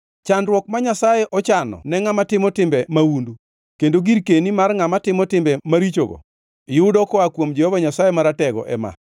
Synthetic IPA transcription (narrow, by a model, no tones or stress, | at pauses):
t͡ʃandɾwɔk̚maɲasajɛʔɔt͡ʃanɔ̰nɛŋamatɪmɔtɪmbɛmawundu | kendoɡiɾkenimarŋamatɪmɔtɪmbɛmaɾit͡ʃo̰ɡɔ̰ | jʊdɔkɔakwomd͡ʒɛhɔvaɲasajemaɾatɛɡɔ̰ʔɛma̰